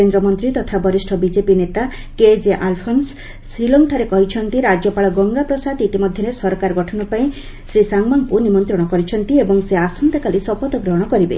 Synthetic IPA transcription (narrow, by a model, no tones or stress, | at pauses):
end̪ɾɔmɔnt̪ɾit̪ɔt̪ʰabɔɾisʈʰɔbid͡ʒepinet̪a | ked͡ʒeʔalpʰɔnsː | ilɔŋʈʰaɾekɔɦit͡ʃʰɔnt̪iɾad͡ʒɔpaɭɔɡɔŋɡapɾɔsad̪it̪imɔd̪ʱjɔnesɔɾkaɾɔɡɔʈʰɔnɔpaĩ | sɾisaŋmaŋpunimɔnt̪ɾɔɽ̃ɔkɔɾit͡ʃʰɔnt̪iebɔŋseasɔnt̪akalisɔpɔt̪ɔɡɾɔɦɽ̃ɔkɔɾibḛ